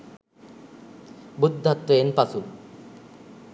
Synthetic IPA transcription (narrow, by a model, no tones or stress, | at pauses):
bud̪ʱːat̪ːʋeenpasu